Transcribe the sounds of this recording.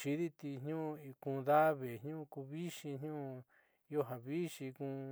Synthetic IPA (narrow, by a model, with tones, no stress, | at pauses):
ʃi˧ði˦t̪i˧ɲɲũ˦˧i˧kũ˧ða˦βe˨ɲɲũ˦˧ku˧βi˦ʃĩ˧ɲɲũ˦˧ | o˦ɦa˨βi˦ʃi˧kũ˧